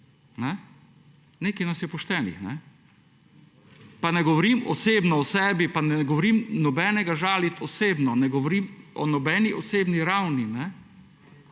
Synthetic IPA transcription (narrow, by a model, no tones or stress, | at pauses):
nɛ | neːkɐjnasjɛpɔʃt̪ɛːnḭxnɛ | panɛɡɔʋɔɾiːmɔseːbnɔɔsɛːbipanɛɡɔʋɔɾiːmnɔbɛːnɛɡaʒaːlit̪ɔseːbnɔnɛɡɔʋɔɾiːmɔ̰nɔbɛːniʔɔseːbniɾawninɛ